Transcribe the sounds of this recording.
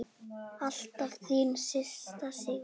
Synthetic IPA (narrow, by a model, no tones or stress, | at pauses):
alt̪aðθiːmsɪst̪asɪ